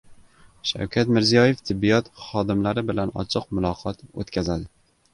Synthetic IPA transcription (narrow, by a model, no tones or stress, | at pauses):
ʃa̰wkʲʰat̪mɪɾzijɒjeft̪ʰɪbːijɒt̪χɒd̪ɪmlaɾɪbɪlanɒ̰t͡ʃʰɨqmʊlˠɒqʰɒt̪o̰t̪kʲʰazad̪ɪ